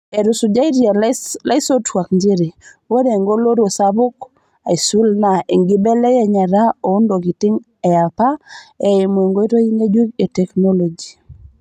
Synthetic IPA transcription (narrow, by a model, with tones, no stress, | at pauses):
e˨ɾʊ˨sʊ˨d͡ʒa˦i˦ɾja˨la˦ɪ˦so˦twa˨kɲd͡ʒɪ˦ɾɪ˨ | wo˦de˨ŋɡo˦lo˦ɾo˨sabʊ˦k | a˨ɪ˨su˦lna˨e˨ŋɡɪ˦bɛ˦lɛ˦jɛ˦ɲa˨ɾa˦o˨ʊ˦ndo˨ɡɪ˨tɪ˦ŋ | ɛ˨a˨pa˦ɛ˨ɪ˨mwe˨ŋɡo˦i˦to˦i˦ŋɡe˦d͡ʒu˦ke˨tɛ˨kno˦lo˨d͡ʒi˨